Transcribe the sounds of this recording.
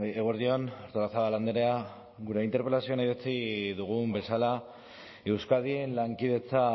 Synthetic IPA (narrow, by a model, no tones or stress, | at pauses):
eɣoɾðio̞noɾt̪oɾasaβaland̪eɾea | ɣuɾe̞int̪eɾpelasio̞najðet͡siðuɣ̞umbe̞sala | e̞wskaðie̞nlaŋkið̞e̞t͡sa